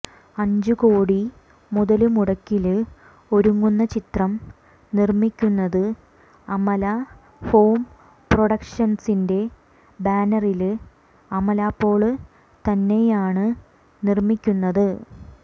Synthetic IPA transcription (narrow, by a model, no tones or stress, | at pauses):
ɐɲd͡ʑuko̞ːɽi | muðɐlumuɽɐkːil | o̞ɾuŋːunːɐt͡ɕit̪rɐm | nirmikʲːunːɐðɨ | ɐmɐla | ho̞ːm | proɽɐkʂɐnsinde̞ | baːnɐril | ɐmɐlaːpːo̞ːɭɨ | t̪ɐnːe̞jaːɳɨ | nirmikʲːunːɐðɨ